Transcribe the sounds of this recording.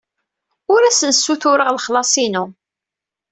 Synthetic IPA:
ʊɾæsənsːuθʊɾəʁlχlɑsˤinu

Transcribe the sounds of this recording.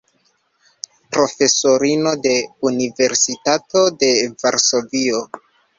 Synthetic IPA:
pɾo̞fe̞so̞ɾino̞de̞unive̞ɾsitato̞de̞vaɾso̞vio̞

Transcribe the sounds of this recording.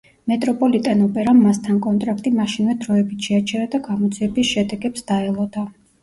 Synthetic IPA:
mɛt̪ʼɾɔpʼɔlit̪ʼɛnɔpʼɛɾamːast̪ʰankʼɔnt̪ʼɾakʰt̪ʼimaʃinvɛd̪ɾɔɛbit̪ʰʃɛat͡ʃʰɛɾad̪aɡamɔd̪ziɛbisʃɛd̪ɛɡɛpsd̪̥aɛlˠɔd̪a

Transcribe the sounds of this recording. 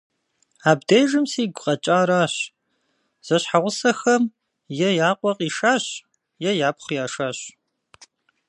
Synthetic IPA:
aːbdejʒɨmseːɡʷʊqʼɐt͡ʃʼaːɾaːɕ | z̥ɐɕħaʁʷʊsɐxɐm | jɛjaːqʷʼɔqʼiːʂaːɕ | jɛjaːpχʷjaːʂaːɕ

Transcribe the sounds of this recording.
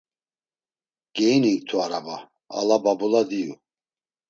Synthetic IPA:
ɡ̥ɛjniŋkt̪ʰuaɾaba | a̰lababulad̪iju

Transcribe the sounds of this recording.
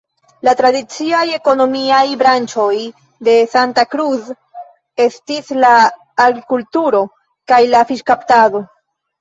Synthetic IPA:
latɾadit͡siaje̞ko̞no̞miajbɾant͡ʃo̞j | de̞santakɾuz | e̞stislaː | ɡɾikultuɾo̞ | kajlafiʃkaptado̞

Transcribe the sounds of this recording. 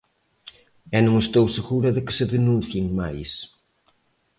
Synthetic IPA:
ɛnõŋest̪owseɣuɾɐðɪkɪ̥sɪðenũnθjeŋmajs

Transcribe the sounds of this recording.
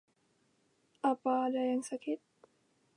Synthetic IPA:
ʔapaːdɛŋsakʰit̪̚

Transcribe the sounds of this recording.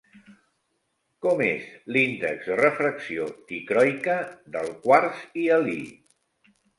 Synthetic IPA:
kɔmezlind̪əkzðərəfɾəksiot̪ikɾɔjkəðəlˠkwaɾziəlḭ

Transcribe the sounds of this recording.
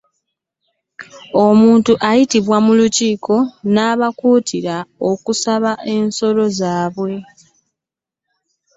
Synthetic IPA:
o̞muːntuʔajitiβwamuluciːkʰo̞naːβakuːtʰiɾao̞kusaβaʔe̞nso̞lo̞zaːβwe̞

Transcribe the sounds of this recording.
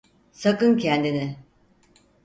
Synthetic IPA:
sakɯncʰɛnd̪inɪ

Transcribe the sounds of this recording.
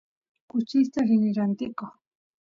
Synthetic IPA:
kʊt͡ʃɪst̪aɾɪnɪɾant̪ɪkoχ

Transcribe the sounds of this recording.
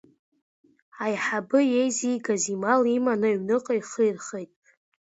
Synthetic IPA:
ajħabɨjejzijɡazimalimanɨɥnɨqʼajχɨjrχejtʼ

